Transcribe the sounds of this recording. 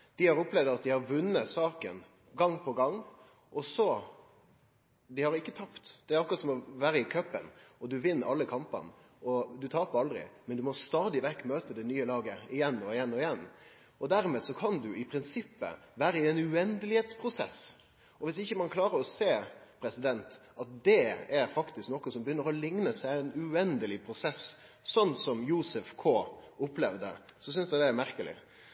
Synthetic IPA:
d̪̥ɪhɑɾɔplɛʋd̪ɑt̪̚d̪ɪhɑɾʋʉnːəsɑːkə̰n | ɡɑŋːpʰɔɡɑŋː | ʔɔsɔ | d̪ɪhɑɾɪkːət̪ʰɑpt̪d̪̥ɛæɾɑkːʊɾɑt̪sɔmɔʋæːɾəɪkʰœpːə̰nɔd̪ʉʋɪnːʔɑlːəkʰɑmpɑ̰n | ɔd̪ʉt̪ʰɑːpəɾɑld̪ɾɪ̰mɛnd̪ʉmɔst̪ɑːd̪ɪʋɛkːmøːt̪əd̪ɛnyːəlɑːɡəɪjɛnːɔɪjɛnːɔɪjɛnː | ɔd̪æɾmɛːsɔkʰɑnd̪ʉɪpʰɾɪnsɪpːə̰ʋæːɾəɪɛnʉɛnd̪əlɪheːt̪spʰɾʊsɛ̰s | ɔʋɪsɪçːəmɑnkʰlɑːɾəɾɔseːpʰɾɛsɪd̪ɛnt̪ɑt̪̚d̪ɛæɾfɑkt̪ɪsknɔkːəsɔmbəjʏnːəɾɔlɪŋnəsæɪɛnʉɛnd̪əlɪpʰɾʊsɛs | sɔnːsɔmjuːsəfkʰoːʊplɛʋd̪ə̰sɔs̬ʏnsd̪æd̪ɛæɾmæɾkəlɪ̰

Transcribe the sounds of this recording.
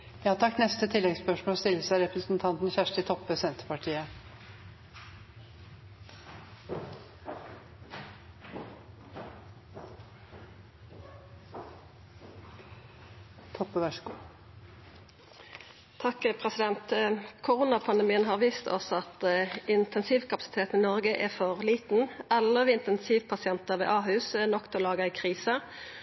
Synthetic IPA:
jɑːt̪ʰɑkt̪nɛst̪ət̪ʰɪlːɛɡspœʂmoːst̪ɪlːəsæɪɾɛpɾəsnt̪ʰɑnt̪n̩çæʂʈɪt̪ʰɔpːəsɛnt̪ə̥pɑʈʰiːə | t̪ʰɔpːəʋæʃkuː | t̪ʰɑkəpʰʁɛsɪd̪ɛnt̪kʰʊʁuːnɑpʰɑnd̪ɛmiːənɦɑːʁʋiːst̪ʰɔ̰sɑt̪ɪnt̪ʰɛnsiːʋkʰɑpɑ̥sɪ̥t̪ʰeːt̪n̩ɪːnɔʁɡəʔɛfɔʁliːt̪n̩ɛlːəʁʋiːɪnt̪ɛnsiːʋpʰɑsɪɛnt̪əʁʋḛːʔɑːɦʉːsənɔkt̪ʰɛlɑːɡəɛɪkʰʁiːsə

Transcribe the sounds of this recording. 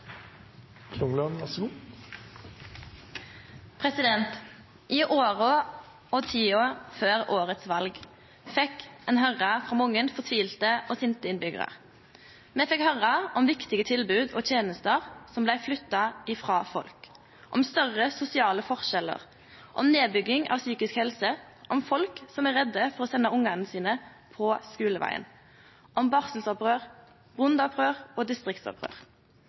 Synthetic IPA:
kʰlʊŋlɔnsu | pʰʁɛsɪd̪ɛnt̪ | ʔiːʔoːʁɔ | ɔt̪ʰiːoːʁføːʁoːʁət̪sʋɑlɡ | fɛkɛːnɦœʁɑfʁɑːmʊŋːənfɔʁt̪ʰʋiːlt̪əʔoːsɪnt̪əɪnbʏɡə̰ʁə̰ʁ | mɛfɛkhœʁɑʔɔmʋɪkt̪ɪɡət̪ʰɪlbʉːd̪oːt̪ʰjeːnəst̪əʁsɔmblæɪflʏt̪ːɑɪfʁɑːfɔ̰lk | ʔɔmst̪œʁəsʊsɪɑːləfɔʁʃɛlːə̰ʁ | ʔɔ̰mneːbʏɡɪŋɑ̰ʋsyːkɪskhɛlsə | ʔɔmfɔlksɔmæʁɛd̪ːəfɔʁɔsɛnəʊŋɑnn̩siːnə | pʰɔskʉːləʋæ̰ɪə̰n | ʔɔmbɑʁsəlsɔpʁøːʁ | bʁʊnd̪ɑpʁøːʁɔːd̪ɪst̪ʁɪkt̪sɔ̰pʁø̰ːʁ

